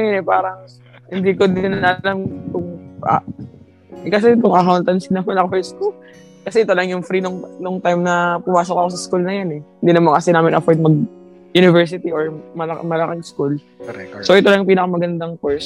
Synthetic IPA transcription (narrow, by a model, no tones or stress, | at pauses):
jonɛpaːɾɐŋ | hɪnd̪iːkod̪ɪnnɐlamkʊŋa̰ | kɐs̬ɛkʊŋʔɐkaʊnt̪ɐnsɪnɐmanɐkosɪskul | kɐsɛʔɪt̪olɐŋjʊŋfɾinoŋnoŋt̪ajmnɐpʊmaːsok̚ɐko̞sɐskulnɐjanɛhɪnd̪iːnɐmankɐsɪnaːmɪnʔɐpoɹd̪̚mɐɡ̚ | junɪvɛɹs̬ɪt̪ioɹmɐlɐmɐlɐkɪŋskul | soʔɛt̪o̞lɐŋpiːnɐkɐmɐɡɐnd̪ɐŋkoɹs